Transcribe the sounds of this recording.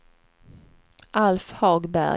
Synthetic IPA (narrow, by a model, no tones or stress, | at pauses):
ʔalfhɑːɡbæ̰